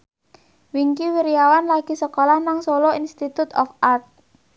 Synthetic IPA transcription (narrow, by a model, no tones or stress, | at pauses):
wiŋkiwiɾijawanlaɡ̥i̤səkɔlahnaŋsolɔinst̪it̪ut̪ɔ̰fart̪̚